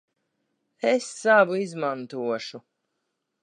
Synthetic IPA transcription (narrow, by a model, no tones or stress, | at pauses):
esːavuizmant̪uɔʃu